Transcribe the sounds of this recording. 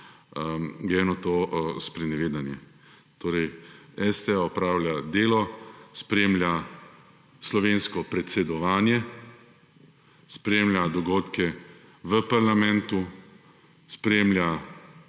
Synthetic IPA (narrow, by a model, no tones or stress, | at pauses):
ɡɾɛːnɔt̪oːspɾɛnɛʋeːd̪anjɛ | t̪oːɾɛjɛst̪ɛaɔpɾaːwlʲjad̪eːlɔspɾeːmlʲja | slɔʋeːnskɔpɾɛt̪sɛd̪ɔʋaːnjɛ | spɾeːmlʲjad̪ɔɡoːt̪kɛ | ʋəpaɾlamɛ̃nt̪u | spɾeːmlja